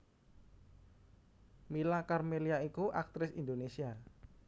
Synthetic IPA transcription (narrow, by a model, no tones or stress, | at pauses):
milakarmeliaikuʔak̚t̪ɾɪsind̪onesia